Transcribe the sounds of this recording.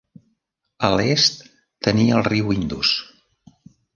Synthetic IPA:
əlest̪ː | əniəəlˠriwind̪ṵs

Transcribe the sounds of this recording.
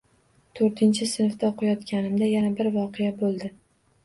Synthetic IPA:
t̪ʰoɾt̪ʰɪnt͡ʃʰɪsɪnft̪aqʰʊjɒt̪kʲanɪmd̪ajanabɪɾvɒqʰejabolˠd̪ɪ

